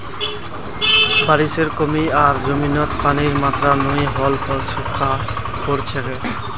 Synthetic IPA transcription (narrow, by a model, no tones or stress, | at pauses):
baɾiʃeɾkomiaɾd͡ʑominɔt̪paniɾmat̪ɾanomiɦɔlpɔɾsukʰa | koɾt͡ɕʰeke